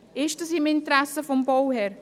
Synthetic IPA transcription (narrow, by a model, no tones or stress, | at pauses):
eːʃtəsimɪnt̪ɾɛsəfɔmbɔwhɛɾ